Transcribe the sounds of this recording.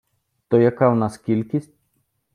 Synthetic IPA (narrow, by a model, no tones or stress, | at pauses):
t̪ojakawnaskʲilʲkʲisʲt̪̚ʲ